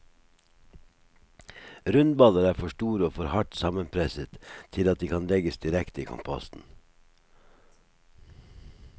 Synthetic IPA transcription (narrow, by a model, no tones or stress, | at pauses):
ɾʉnd̪̚bɑləɾæːfɔʃʈuːɾəoːfɔɾhɑʈsɑmənpʰɾɛsət̪t̪ʰɪlɑt̪̚d̪iːkʰɑnlɛɡəsd̪ɪɾɛkt̪əiːkʰʊ̰mpʰɑ̰st̪n̩